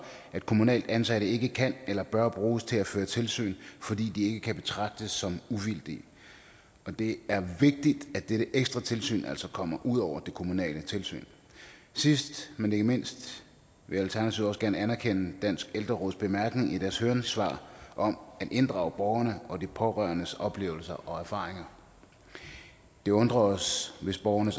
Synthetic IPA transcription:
æd̥̚kʰo̝munɛ̰ːld̥ænsæɾəe̝ɡ̥əkʰænelɐb̥ɶɐb̥ʁuːst͡sʰe̝læføːɐt͡sʰe̝lsy̰ːnfɒ̽d̥ḭːd̥ie̝ɡ̥əkʰæb̥e̝t͡sʰʁɑ̈ɡ̥̚d̥əsːɒ̽muʋil̰d̥i | ɒ̽d̥e̝æɐʋe̝ɡ̥̚d̥id̥æd̥eɾəʔeɡ̥sd̥ʁɑ̈t͡sʰe̝lsy̰ːnʔæl̰sɒ̽kʰɒ̽m̰ɐʔuð̞̰ˠɒʊ̰ɐd̥e̝kʰo̝munɛ̰ːlət͡sʰe̝lsy̰ːn | sisd̥mene̝ɡ̥əme̝n̰sd̥ | ʋe̝jælt͡sʰæɐnæt͡sʰiʊɒ̽sɡ̥æɐnəænæɐkʰen̰əd̥æn̰sɡ̥eld̥ʁɐʁɔːðˠsb̥e̝mæɐɡ̥ne̝ŋid̥æɐshøːɐnsʋɑ̰̈ːʔɒ̽mæd̥ʔe̝nd̥ʁɑ̈ːʊb̥ɒʊɐnəɒ̽d̥ipʰɒ̽ʁɶɐnəsɒ̽b̥le̝̰ːʊl̩sɐʔɒ̽æɐfɑ̈ːʁeŋɐ | d̥e̝ɔ̽nd̥ʁɐɒsʋe̝sb̥ɒʊɐnəs

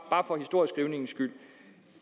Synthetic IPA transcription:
b̥ɑ̈ːfɒ̽hisd̥o̝ɐ̰isɡ̥ʁiʊne̝ŋn̩sɡ̥yl̰

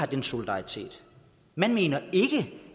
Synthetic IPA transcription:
ɑd̥enso̝lid̥ɑ̈ʁit͡sʰḛːd̥ | mænme̝ːnɐe̝ɡ̥ə

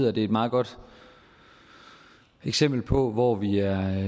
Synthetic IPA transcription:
ð̰ˠɐd̥e̝e̝d̥mɑ̈ːðˠɡ̥ɒ̽d̥ | eɡ̥sem̰b̥l̩pʰɒ̽ʋɒʋiæɐ

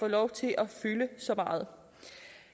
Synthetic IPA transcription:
ɒːlɒʊt͡sʰe̝lʔɒfyːləsɒ̽mɑ̈ːð̞̩ˠ

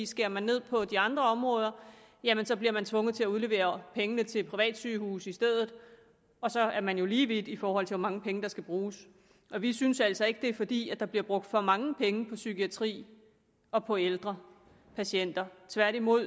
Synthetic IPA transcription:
isɡ̥e̝ɐmænːe̝ð̞̰ˠpʰɒ̽d̥iɑ̈nd̥ʁɐɒ̽mʁɔ̽ːð̞ˠɐ | jæmensɒ̽bliɐmænt͡sʰʋɔ̽ŋð̩ˠt͡sʰe̝æuð̞ˠle̝ʋe̝̰ːɐpʰeŋənət͡sʰe̝lpʰʁiʋɛ̰ːd̥syːhṵːsisd̥eð̰ˠð̞̩ˠ | ɒ̽sɒ̽æɐmænjo̝liːʋid̥ifɒːɒl̰t͡sʰe̝ʋɑmɑ̈ŋəpʰeŋəd̥ɑ̈sɡ̥æb̥ʁuːs | ʔɒ̽ʋisynsæl̰sɒ̽e̝ɡ̥əd̥e̝fɒ̽d̥ḭːæd̥ɑ̈b̥liɐb̥ʁɔ̽ɡ̥̚d̥fɒ̽mɑ̈ŋəpʰeŋəpʰɒ̽sykʰiæt͡sʰʁḭː | ɒ̽pʰɒ̽eld̥ʁɐ | pʰæɕen̰d̥ɐt͡sʰʋæɐɾ̥imo̝ð̰ˠ

